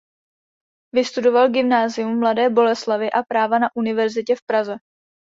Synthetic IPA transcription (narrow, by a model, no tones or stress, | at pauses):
vɪst̪udo̞valɡɪmnaːzɪjumːladɛːbo̞lɛslavɪʔapɾaːvanaʔunɪvɛɾzɪcɛfpɾazɛ